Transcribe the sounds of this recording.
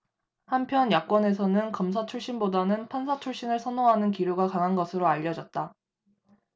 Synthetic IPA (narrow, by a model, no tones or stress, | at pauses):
hampʰjʌnjak͈wʌne̞s̬ʰʌnɯnkʌmsʰat͡ɕʰuɭɕ͈inbodanɯnpʰansʰat͡ɕʰuɭɕ͈inɯɭsʰʌnoŋɦanɯnkiɾjuɡakaŋɦanɡʌsʰɯɾoaʎːʌd͡ʑʌt̚t͈a